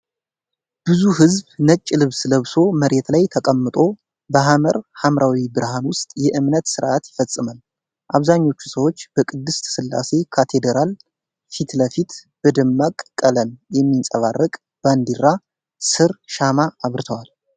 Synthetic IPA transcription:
b̥ɨzuɦɨzbnət͡ʃʼːɪlɨβsləβso̞məɾe̞t̪lajt̪ʰəkʼəmːɨt̪ʼo̞ | bəɦaməɾhamɾawibɨɾhanwʊst̪ʼjɛʔɨmnət̪sɨɾʔat̪jɪfəsʼːɨməl | ʔaβzaɲːo̞t͡ʃːu̥səwo̞t͡ʃːb̥əkʼɨd̪ːɨst̪sɨlːa̰se̞kʰat̪ʰe̞d̪əɾal | fit̪ləfit̪ | b̥əd̪ɨmːakʼkʼːələmjɛmːinsʼəβarːəkʼ | b̥and̪iɾːa | sɨɾʃamaːβɾɨt̪ʰəwal

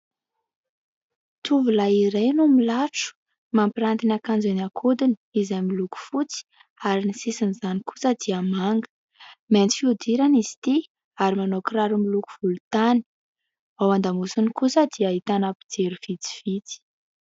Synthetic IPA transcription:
t̪ʰuvulaiɾejnumilaʈ͡ʂu̥ | mampiɾant̪inakand͡zenakʰud̪ini̥izamiluku̥fut͡si̥ | aɾinisisinizaniku̥səd̪iamaŋɡə̥ | ment͡s̪i̥fiud̪iɾanizi̥t̪i | aɾimanokraɾumiluku̥v̥ulut̪ani̥ | awand̪amusunikusəd̪iait̪anapi̥d͡zeɾuv̥it͡si̥v̥it͡si̥

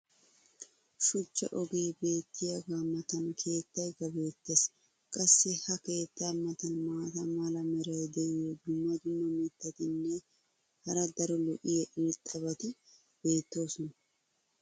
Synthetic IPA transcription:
ʃʊt͡ʃːɐ̰ʔɔɡe̞ːbe̞ːt̪ːɪjɐɡamɐt̪ɐnkʰe̞ːt̪ːɐjɡɐbe̞ːt̪ːeːs | kʼɐsːɛhɐke̞ːt̪ːamɐt̪ɐnmaːt̪ɐmɐlɐmɛɾɐjd̪ɛɪjod̪ʊmːɐd̪ʊnːɐmɪt̪ːɐt̪ɪnːɛ | hɐɾɐd̪ɐɾɔlɔʔɪjɐʔɪlt̪ʼːɐbɐt̪ɪ | b̥e̞ːt̪ːo̞ːsɔnɐ

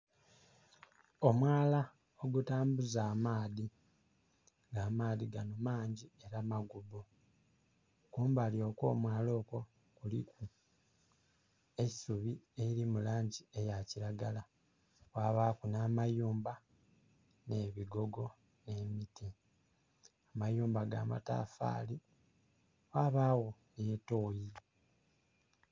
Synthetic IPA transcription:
o̞mwaːla | oɡutaːmbuzaːmaːði | ŋɡaːmaːðiɡanomaːɲɟie̞ɾamaɡubu | kuːmbaljo̞ːko̞ːmwaːlo̞ːko̞ | kuliku | e̞ci̥suβieiɾimulaːɲɟie̞jaciɾaɡala | waːβaːkunaːmajuːmba | ne̞βiɡo̞ɡo̞ | ne̞miti | amajuːmbaɡa̰ːma̰ta̰fa̰ːli | waːβaːwonetoːji

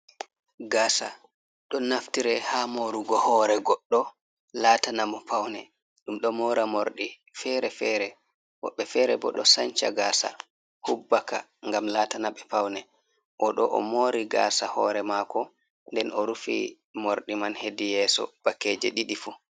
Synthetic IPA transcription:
ɡaːsa | ɗɔnaftiɾɛhamoɾuɡɔhɔɾɛɡɔɗːɔ | laːtanamɔpʰawnɛ | ɗumɗɔmɔɾamoɾɗi | fɛɾɛfɛɾɛ | wɔ̰ɓːɛfɛɾɛbɔ̰ɗɔsaɲt͡ʃa̰ɡaːsa̰ | hubːaka̰ | ŋɡamlaːtanaɓɛpawnɛ | ʔɔɗɔʔɔ̰moːɾiɡa̰ːsahɔɾɛmakɔ | ndɛnɔɾufḭ | moɾɗimanhedijɛːsɔ̰b̥akːeːd͡ʒɛ̰ɗiɗifu

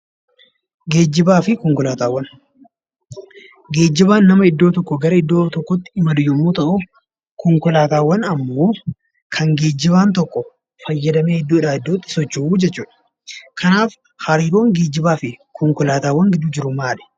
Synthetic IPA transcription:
ɡe̞ːd͡ʒːɪbaːfɪkɔŋkʊlaːt̪aːwːɐn | ɡe̞ːd͡ʒːɪbaːnːɐmɐɪd̪ːoːt̪ɔkːɔɡɐɾɐɪd̪ːo̞ːt̪ɔkːɔt̪ːɪ̥ɪmɐd̪ʊjːɐmuːt̪ɐʔʊ | kɔŋkʊlaːt̪aːwːɐnɐmːoː | kʰɐŋɡe̞ːd͡ʒːɪβaːnt̪ɔkːɔ | fɐjːɐd̪ɐme̞ːhɪd̪ːuːɪᶑaːɪd̪ːoːt̪ːɪ̥sɔt͡ʃːɪuːd͡ʒɛt͡ʃːuːᶑɐ̥ | kʰɐnaːf | hɐɾiːɾo̞ːŋɡe̞ːd͡ʒːɪbaːfɪkʰɔŋkʊlaːt̪aːwɐŋɡɪd̪uːd͡ʒɪɾʊmaːlɛ̥

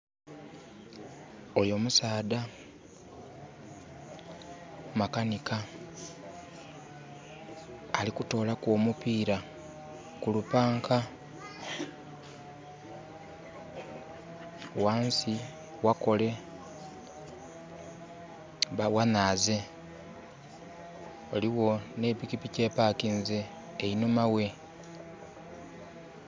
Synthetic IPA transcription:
ojo̞musaːd̪a | makanika | likuto̞ːlakwoːmupiːɾa | kulupaːŋkʰa | waːnsi | wako̞le̞ | βawanaːze̞ | oliwo̞ne̞ːpikipice̞ːpaːkinzeː | inumawe̞

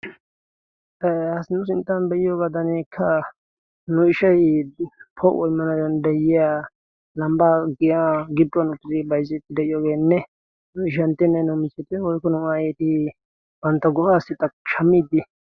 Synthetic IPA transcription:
ɛhɐsnʊsɪnt̪ːaːnbɛʔɪjoːɡad̪ɐnekʰːɐ | nʊɪʃɐj | pʰɔʔɔɪmːɐnad̪ɐnd̪ɐjɪjaː | lɐmbaːɡɪjaɡɪdʊɔnʊt̪ːɪd̪ɪbɐjzɛt̪ːɪd̪ɛʔɪjoːɡeːnːɛ | nʊɪʃɐnt̪ːɪnːɛnʊmɪt͡ʃːɛt̪ɛwɔjkːɔnʊaːjeːt̪ɪ | bɐnt̪ːɐɡɔʔaːsːɪt̪ːɐkʃɐmːiːd̪ːɪ

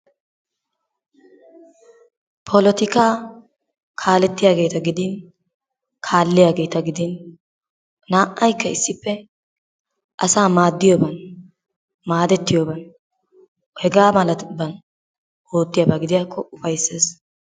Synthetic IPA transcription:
pʰɔlɔt̪ɪkaː | kʰaːlɛt̪ːɪjaːɡe̞ːt̪ɐɡɪd̪ɪn | kʰaːlːɪjaːɡe̞ːt̪ɐɡɪd̪ɪn | aːʔʔɐjkːɐɪsːɪpːɛ | ʔɐsaːmaːd̪ːɪjobɐn | maːd̪ɛt̪ːɪjoːbɐn | hɛɡaːmɐlɐt̪bɐn | hoːt̪ːɪjɐːbaɡɪd̪ɪjaːkʰːɔʊfɐjsːe̞ːs

